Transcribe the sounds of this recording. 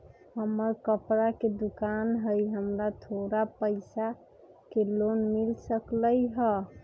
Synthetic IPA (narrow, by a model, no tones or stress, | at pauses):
ɦəmːəɾkəpɾaked̪ukanɦəjɦəmɾat̪ʰoɾapəɪsa | kelonmilsəkləjɦə